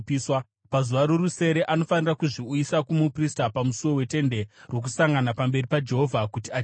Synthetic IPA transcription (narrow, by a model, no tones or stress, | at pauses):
swa | pazuʋaɾo̞ruse̞ɾe̞ʔano̞fanirakuʐiujisakumupristapamusuwo̞we̞te̞nde̞rwo̞k̬usaŋɡanapambe̞ripad͡ʒe̞ɦo̞vʱakutia